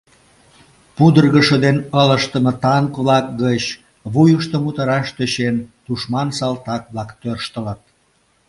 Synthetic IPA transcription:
pud̪ərɣəʃəd̪enələʃt̪əmət̪ɑŋkβlɑkɡət͡ɕ | βujəʃt̪əmut̪əɾɑʃt̪øɕent̪uʃmɑnsɑlt̪ɑkβlɑkt̪ørʃt̪ələt̪̚

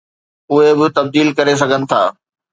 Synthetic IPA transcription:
ʊɦebɪt̪ɐb̚d̪iːlkɐɾes̬ɐɡʱənɪ̆t̪ʰaː

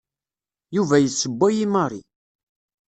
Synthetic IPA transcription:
juvæjəsːəbʷːæjiməɾˤi

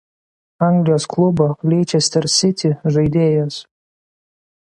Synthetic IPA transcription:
ɑˑŋɡlʲɪjoːsklˠʊboːlʲeːt͡ʃʲɛsʲt̪ʲɛɾsʲɪt̪ʲɪʒɐɪd̪ʲeːjoːs

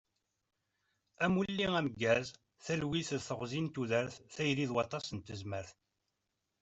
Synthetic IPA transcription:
æmulːiæməɡːæz | θælwiθəðθəʁzint̪uðəɾθθæjɾiðwɑt̪ˤɑsənt̪əzməɾθ

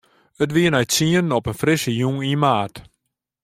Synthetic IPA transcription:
ətʋiənœɥtsiənɔpənfrɪsəjuŋimaːt

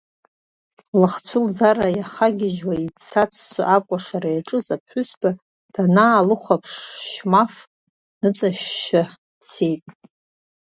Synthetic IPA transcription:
lɨχt͡sʷʰɨld͡zarajaχaɡʲɪʒwait͡sʰat͡sʷʰʼsaʔakʷʼaʂaɾajaʈ͡ʂʼɨzapʰħʷʊsba | d̥anaːlɨχʷapʰʂʃmaf | nɨt͡sʼaʃa | t͡sʰejtʼ

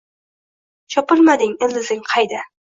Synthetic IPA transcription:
t͡ʃʰɒpɪlˠmad̪ɪŋɪlɪzɪŋqʰɑjd̪a

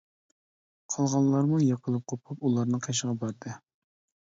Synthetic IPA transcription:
qʰɑlˠʁɑnlˠɑɾmujɑqʰəlˠɨp̚qʰopʰupulˠɑɾnɨŋqʰeʃ̬əʁɑbɑɾd̪ɨ

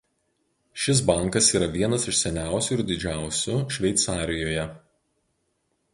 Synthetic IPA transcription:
ʃʲɪs̬bɐˑŋˑkɐsiːɾɐʋʲiɛnɐsɪʃsʲɛnʲæˑʊsʲʊɪɾd̪ʲɪd͡ʒʲæˑʊsʲʊʃʲʋʲɛɪt̪sɑːɾʲɪjoːjɛ

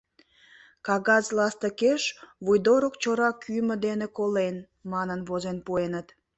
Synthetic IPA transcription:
kɑɣɑzlɑst̪əkeʃβujd̪oɾokt͡ɕoɾɑkʰymə̆d̪enekolen | mɑnənβozenpuenət̪

